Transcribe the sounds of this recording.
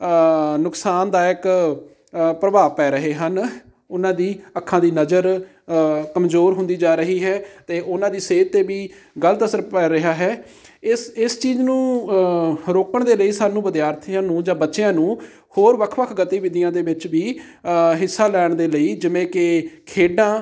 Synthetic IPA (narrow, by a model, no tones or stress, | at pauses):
nʊksaːnd̪aːɪk | pɾəʋaːʋpɛːɾəɦeːɦən | ʊnãːd̪iːəkʰːãːd̪iːnəzəɾ | kəmzoːɾɦʊ̃nd̪iːd͡ʒaːɾəɦiːɦɛːt̪eːʔʊnãːd̪iːseːt̪ːeːbiː | ɡələt̪əsəɾpɛːɾɪɦaːɦɛː | ɪsɪst͡ʃiːznũː | ɾoːkəɳd̪eːləiːsaːnũːbəd̪ɪjaːɾt̪ʰijãːnũːd͡ʒãːbətːʃejãːnũː | hoːɾʋəkʰʋəkʰɡət̪iːʋɪd̪ɪjãːd̪eːʋɪt͡ʃʋiː | ɦɪsːaːlɛːɳd̪eːləiːd͡ʒɪʋẽːkɪkʰeːɖãː